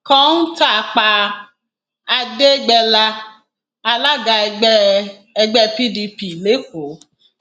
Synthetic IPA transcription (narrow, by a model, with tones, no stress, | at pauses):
kɔ̃˦n̩˦ta˦˨˧k͡pa˧ | a˧de˦ɡ͡bɛ˧la˧ | a˧la˦ɡa˧˦ | ɛ˧ɡ͡bɛ˦pi˦di˧pi˨le˨˦ko˨˦